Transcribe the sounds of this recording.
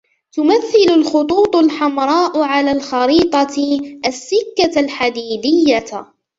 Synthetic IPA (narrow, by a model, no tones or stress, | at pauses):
t̪ʊmaθːɪlʊlxʊt̪ˤuːt̪ˤʊlħamɾˤɑːʔʊʕalaːlxɑɾiːt̪ˤɑʔasːɪkːalħad̪iːd̪ɪjːa